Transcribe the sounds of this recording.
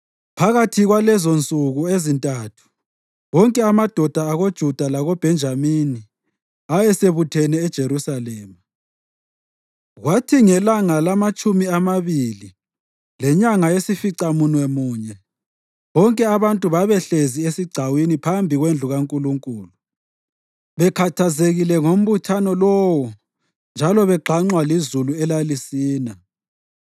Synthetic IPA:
pʰaɣatʰiɣwalɛzont͡sʼuɣuezintʼaːtʰu̥ | ɣɔŋkʼɛamad̥ʱɔd̥ʱaːɣod̥ʒ̥ʱud̥ʱalaɣob̥ʱɛnd͡ʒʱamini | ajɛseβutʰɛnɛːd̥ʒ̥ʱeɾusalɛːma | ɣwatʰiŋɛlaŋalamat͡ʃʼumiamaβili | lɛɲaŋaesifiǀamunwɛmuːɲɛ | βɔŋkʼɛaβantʼuβaβɛɬeziesiɡ͡ǀʱawinipʰambʱiɣwend͡ɮʱuɣaŋkʼuluŋkʼuːlu | βɛkʰatʰazeɣilɛŋom̩βutʰanɔlɔwɔ | nd͡ʒʱalɔβɛǃʱaŋ͡ǀwalizuluɛlalisiːna

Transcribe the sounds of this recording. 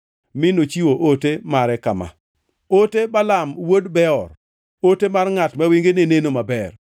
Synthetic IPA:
mɪnot͡ʃiwoʔotemaɾɛkama̰ | otebalamwodbɛɔr | otemarŋatmɛwiŋɡenenenomabɛr

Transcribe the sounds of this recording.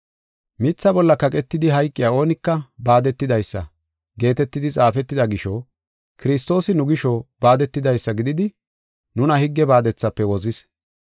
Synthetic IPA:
mɪt͡sːɐbɔlːɐkɐkʼɛt̪ːɪd̪ɪɦɐjkʼːɪjaːo̞ːnɪkːɐbaːd̪ɛt̪ːɪd̪ɐjsːɐ̰ | ɡe̞ːt̪ɛt̪ːɪd̪ɪt͡sʼaːfɛt̪ːɪd̪ɐɡɪʃɔ | kɪɾɪs̬t̪o̞ːsɪnʊɡɪʃɔbaːd̪ɛt̪ːɪd̪ɐjsːɐɡɪd̪ɪd̪ɪ | nʊnɐhɪɡːɛbaːd̪ɛt͡sːɐpːɛwɔzɪs

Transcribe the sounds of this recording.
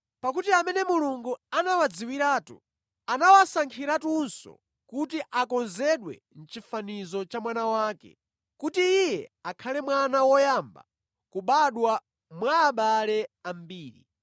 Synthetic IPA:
pak̬utiamɛnɛmuluŋɡuanawad͡ziwiɾaːtṵ | anawasaŋkʰiɾatunsɔ̰ | kutiʔakɔnzɛɗwɛ̰ | n̩t͡ʃifanizɔt͡ʃamwanawaːkɛ̰ | kutiijɛakʰalɛmwanawɔjamba̰ | kuɓaɗwa | mwaːɓalɛam̩biːɾḭ

